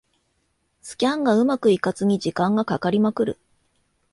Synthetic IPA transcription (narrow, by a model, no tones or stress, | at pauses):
sɨ̥kʲãŋɡaɯ̟makɯ̟ikat͡sɨɲ̟id͡ʑikãŋɡakakaɾʲimakɯ̟ɾɯ̟̰